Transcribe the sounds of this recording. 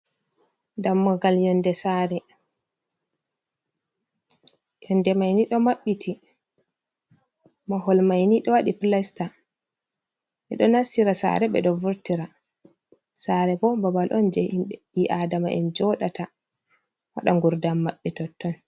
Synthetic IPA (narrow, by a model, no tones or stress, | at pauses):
damːɔɡaljɔndɛsaɾɛ | jɔndɛmajniɗɔmaɓːitʰi | maɦɔlmajniɗɔwaɗiplasta | ɓɛɗɔnasiɾasa̰ɾɛɓɛ̰ɗɔvuɾtiɾa | saɾɛbɔbabalʔɔnd͡ʒɛhimɓɛ | iʔadamaʔɛ̰nd͡ʒɔɗatʰa | wa̰ɗaŋɡuɾdamːaɓːɛtɔtːɔn